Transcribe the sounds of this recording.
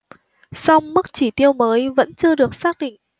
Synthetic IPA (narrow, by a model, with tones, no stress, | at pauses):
sa˧wŋ͡mmɨ˦˥k̚t͡ɕi˧˩t̪i˧əwməː˨˦jvə̰˧˥nt͡ɕɨ˧əɗɨ˨˩ək̚saː˦˥k̚ɗḭ̈˧˨ŋ̟